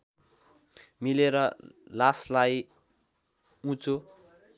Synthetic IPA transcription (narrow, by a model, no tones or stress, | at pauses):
mileɾʌlaslaj | ũt͡so